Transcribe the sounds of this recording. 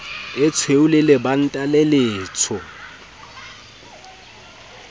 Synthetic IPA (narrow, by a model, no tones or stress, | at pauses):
ɛt͡sʰweulɛlɛban̩tʼalɛleːt͡sʰɔ